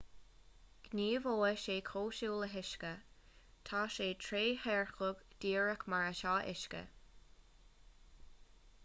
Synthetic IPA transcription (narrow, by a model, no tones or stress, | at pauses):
ɡ̥niːvoːəʃeːkʰoːʃuːləɦɪʃkə | t̪ʰaːʃeːt̪ʰɹeːhɛɹxʊɡd̪̥iːɹəkmaɹəʃɑːʔɪ̰ʃkə̰